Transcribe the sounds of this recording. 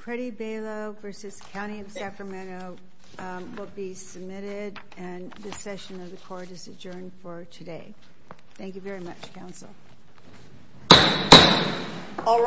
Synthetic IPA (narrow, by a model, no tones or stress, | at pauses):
pʰɹ̥ɛɾibeɪlˠoʊvɜ˞sɨz̥kʰãʊ̃ɾ̃iʌv̥sækɹɨmɛ̃ɾ̃oʊ | wɪlˠbisɨb̚mɪɾɪɾ | ɨ̃nðɨsɛʃɨ̃nʌvðɨkʰɔɹɾɨzɨd͡ʒɜ̃˞nfə˞tʰɨdeɪ | θæ̃ŋk̬jʉvɛɹimʌt͡ʃkʰãʊ̃nsl̩ˠ | ɔl